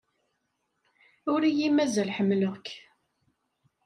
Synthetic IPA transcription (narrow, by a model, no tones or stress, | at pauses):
ʊɾijimæzælħəmːlʊʁk